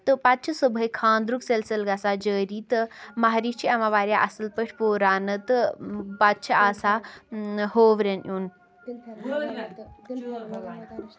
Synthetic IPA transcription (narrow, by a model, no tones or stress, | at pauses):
t̪ɨpɐt̪t͡ʃʰɨsubʱɐjkʰãːnd̪ɾukselsɐlɡɐsaːd͡ʒəːɾiːt̪ɨmaɦɾiːt͡ʃʰiɐʋãːʋaːɾjaʔɐsɨlpəʈʰʲpoːɾaːnɨt̪ɨpɐt̚t͡ʃʰɐaːsaː | ɦoːʋɾenʔjuːn